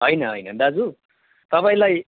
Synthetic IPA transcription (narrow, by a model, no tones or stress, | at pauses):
ɦʌjnʌɦʌjnʌd̪ad͡zu | t̪ʌpaĩlaj